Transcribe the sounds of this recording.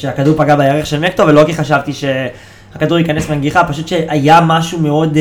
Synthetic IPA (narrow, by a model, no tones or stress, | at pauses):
ʃeakaduʁpaɡabejaʁeχʃe̞lmekto̞velo̞kiχaʃavt̪iʃe | hakaduʁjikanesmeaŋɡiχapaʃut̪ʃeʔajamaʃume̞o̞d